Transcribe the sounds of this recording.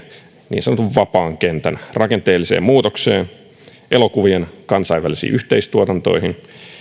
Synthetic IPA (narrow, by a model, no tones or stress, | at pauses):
nḭːnsɑnot̪uʋʋɑpɑːŋkent̪ænrʔɑkent̪eːlːisḛːmmuːt̪okseːn | ʔelo̞kuʋienkɑnsɑjʋælisḭːʔyht̪eist̪uot̪ɑnt̪o̞̰iɦin